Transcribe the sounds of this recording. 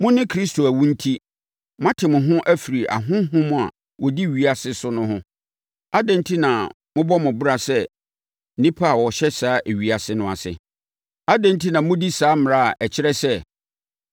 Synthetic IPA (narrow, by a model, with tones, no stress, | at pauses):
mʊ̃˦nɪ̃˦kʰɾi˦stʰo˨æ˨wũ˦n̩˦tʰi˦ | mã˦tʰɪ˨mʊ̃˨ɦʊ̃˦ʔæ˦fi˨ɾi˨a̰˨ɦʊ̃˦ɦʊ̃˦mʊ̃˦˨a̰˨ | wɔ˨di˦˨ɥi˨a˨sɪ˦sʊ˦nʊ̃˦hʊ̃˦ | a˦dɛ̃˨n˦tʰi˦nã˨ | mʊ̃˦bɔ˦mʊ̃˨bʊ˦ɾa˨sɛ˦ | nĩ˦pʰa˦a˨wɔ˨ɕɛ˦saː˦ʔæ˨ɥi˨a˨sɪ˦nʊ̃˨a˨sɪ̰˨ | a˦dɛ̃˨n̩˦tʰi˦nã˨mʊ̃˦di˦saː˦m̃˨a˦a˨ʔɛ˨t͡ɕʰɪ˦ɾɛ˦sɛ˦˨